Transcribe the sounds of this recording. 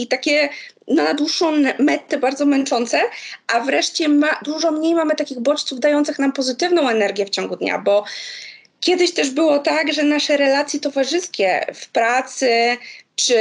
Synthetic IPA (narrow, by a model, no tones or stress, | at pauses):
it̪akʲɛnɔnad̪wuʂːɔ̃w̪̃mɛt̪ːɛbaɾd̪zɔmɛnt͡ʂɔnt̪sɛʔavɾɛʂt͡ɕɛmad̪uʐɔmɲejmamɘt̪akʲiɣbɔt͡ʂt̪suvd̪ajɔnt̪sɘxnampɔzɘt̪ɘvnɔ̃w̃ɛnɛɾɡʲjɛft͡ɕɔ̃ŋɡud̪ɲa̰bɔ | kʲjɛd̪ɘɕt̪ɛʐbɘwɔt̪aɡʐɛnaʂɛɾɛlat̪sʲjɛt̪ɔvaʐɘskʲɛ̰fpɾat̪sɘt͡ʂɘ